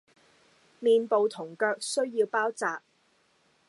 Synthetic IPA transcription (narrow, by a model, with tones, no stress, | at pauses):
miː˨npo˨wt̪ʰʊ˨˩ŋkœː˧k̚sɵ˥ɥjiː˧wpaː˥wt͡saː˨p̚